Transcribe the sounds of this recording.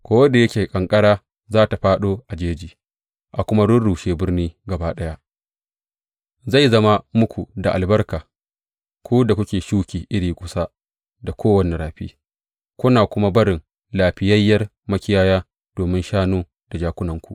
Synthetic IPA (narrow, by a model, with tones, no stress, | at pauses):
kʷoː˦wɐ˦da˨jɐ˦kʲeː˨kʼɐ˨ŋkʼɐ˦ɽaː˦ | zaː˦ta˨ɸaː˦ɗoː˦ʔa˨d͡ʒeː˦d͡ʒiː˨ | ʔa˨kʷʊ˦ma˦ɽʊ˦rɽuː˨ʃeː˦bɪ˦rniː˦ɡɐ˨baː˦ɗɐ˦ja˦ʔ | za˦˨jzɐ˦ma˦mʊ˦kʷu˨da˨ʔa̰˨lbɐ˦rkaː˨ | kʷu˦da˨kʷʊ˦kʲeː˨ʃuː˦kʲiː˨ʔɪ˦ɽiː˨kʷʼʊ˨sa˦ | da˨kʷoː˦wɐ˨ni˨ɾaː˨ɸḭː˦ | kʷʊ˦naː˨kʷʊ˦ma˦bɐ˦ɽɪ˨ŋ | laː˨ɸɪ˨jɐ˦jːɐ˦r | mɐ˦kʲɪ˦jaː˦jaː˦ | d̥oː˨mɪ˦nʃaː˦noː˦ | d̥a˨d͡ʒaː˦kʷʊ˦nɐ˨ŋkʷu˨ʔ